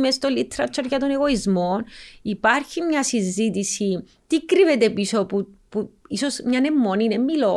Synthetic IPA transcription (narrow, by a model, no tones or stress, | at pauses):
mest̪olit̪ɾɐt͡ʃʰːoɾʝɐt̪oneɣo̞izmonipɐɾçimɲɐsizːit̪isi | t̪ikɾivet̪episopupuisosmɲɐnemːoninemːilo